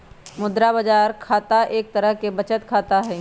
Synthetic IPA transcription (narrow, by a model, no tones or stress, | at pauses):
mʊd̪ɾabɐd͡ʒaːɾkʰaːt̪aʔeːk̚t̪əɾəɦkebɐt͡ʃət̪kʰaːt̪aɦɛː